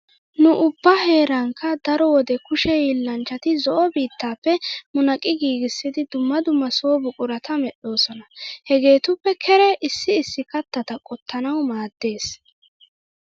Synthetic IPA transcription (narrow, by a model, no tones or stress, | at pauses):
nʊʔʊbːɐhe̞ːɾɐŋkʰːɐd̪ɐɾɔwɔd̪ɛkʊʃɛjilːɐnt͡ʃːɐt̪ɪzɔʔɔbiːt̪ʰːaːpːɛmʊnɐkʼːɪɡiːɡɪsːɪd̪ɪd̪ʊmːɐd̪ʊmːɐso̞ːbʊkʼʊɾɐt̪ʰɐmɛɗo̞ːsɔnɐhɛɡe̞ːt̪ʊpːɛkʰɛɾɛʔɪsːɪːsːɪkɐt̪ːɐt̪ɐkʼɔt̪ʰːɐnɐwmaːd̪ːe̞ːs